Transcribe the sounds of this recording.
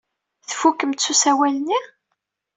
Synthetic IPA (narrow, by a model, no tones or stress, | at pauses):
θfukːəmt̪susæwælnːiʁ